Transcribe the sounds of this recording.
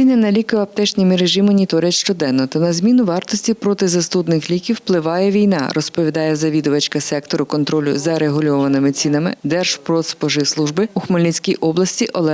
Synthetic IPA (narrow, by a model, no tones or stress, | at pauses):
inʲːɐnɐlʲikʊjɛɐp̚t̪ɛt͡ʃnʲimʲiɾeʒimɔnʲit̪ɔɾʲjɐt̪ʲʃt͡ʃɔd̪ɛnːɔt̪ɐnɐzʲmʲinʊʋɑrt̪ɔsʲtʲipɾɔt̪ɪzɐst̪ud̪nɪxlʲikʲiwplˠɪʋɑjɛʋʲijnɑ̰ɾʔɔspɔʋʲid̪ɑjɛzɐʋʲid̪ʊʋɐt͡ʃkɐsɛkt̪ɔɾʊkɔnt̪ɾɔlʲʊ̰zɐɾeɦʊlʲɔʋɐnɪmɪt͡sʲinɐmɪ̰d̪ɛrʒ̥pɾɔspɔʒɪslˠuʒbɪuxmɐlʲisʲkʲijʔɔblˠɐsʲtʲiʔɔlˠɛ